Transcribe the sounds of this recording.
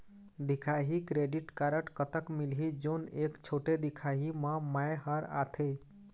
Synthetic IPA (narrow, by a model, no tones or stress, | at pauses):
d̪ikʰaɦikɾeɖiʈkaɾəʈkət̪əkmilɦid͡ʒonekt͡ʃʰoʈed̪ikʰaɦimə̃majɦəɾa̰t̪ʰe